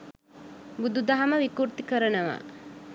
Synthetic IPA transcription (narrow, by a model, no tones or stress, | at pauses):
bud̪ud̪aɦɐməʋikuɾt̪ikəɾənəʋa̰ː